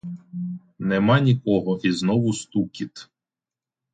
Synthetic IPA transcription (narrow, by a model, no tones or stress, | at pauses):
nɛmɑnʲikɔɦɔʔiznɔʋʊst̪ukʲit̪